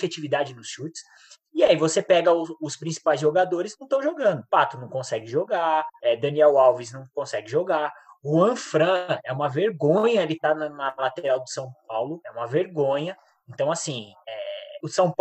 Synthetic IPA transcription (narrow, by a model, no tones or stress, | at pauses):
fet͡ʃivid̪ad͡ʒɪnʊsʃut͡ʃɪ̥s | iaivosepɛɡɐʊʊspɾĩsi̥pajzʒoɡad̪oɾɪznɐ̃t̪ɐ̃w̃ʒoɡɐ̃nd̪ʊpat̪ʊnɐ̃w̃kõsɛɡɪʒoɡaɛd̪ɐ̃niɛwawviznɐ̃w̃kõsɛɡɪʒoɡaɾʊɐ̃fɾɐ̃ɛũmɐveɾɡõɲɐelɪt̪anɐnɐlat̪eɾawd̪ʊsɐ̃w̃p̚awlʊɛũmɐveɾɡõɲɐ | ẽnt̪ɐ̃w̃asĩɛʊsɐ̃w̃p